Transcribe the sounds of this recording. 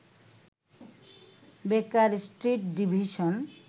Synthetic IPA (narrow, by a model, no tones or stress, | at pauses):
bekaɾsʈɾiʈɖibʱiʃon